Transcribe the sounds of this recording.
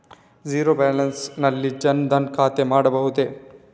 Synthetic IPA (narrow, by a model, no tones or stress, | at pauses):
d͡ʒiːɾobaːlɐnsnɐlːid͡ʒɐnd̪ɐnkʰaːt̪emaːɽɐbɐɦut̪e